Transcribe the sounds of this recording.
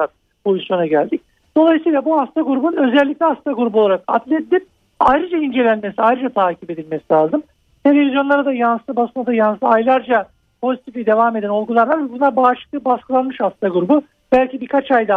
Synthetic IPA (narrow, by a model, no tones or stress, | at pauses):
at̪ | pʰo̞zisjo̞naɟælʲd̪ic̚ | d̪̥o̞lˠajɯsɯjlˠabuhast̪ʰaɡuɾubununø̞zɛlʲːic̚lʲiast̪ʰaɡuɾubolˠaɾaka̰d̪lʲed̪ilʲip̚ | ajɾɯd͡ʒaind͡ʒe̞lʲænmesiajɾɯd͡ʒat̪ʰaːcʰipe̞d̪ilʲme̞silʲaːzɯm | t̪ʰe̞lʲe̞vʲizjo̞nlˠaɾad̪ajanst̪ˠɯbasɯnad̪ajanst̪ɯajlˠaɾd͡ʒa | pʰo̞zit̪ʰiflʲɛd̪e̞vaːme̞d̪æno̞lˠɡulˠaɾˠaɾvɛbunabaːʃɯ̥k̚t̪ˠɯbaskɯlˠanmɯʃhast̪ʰaɡuɾubu | b̥ælʲcibikʰat͡ʃajd̪a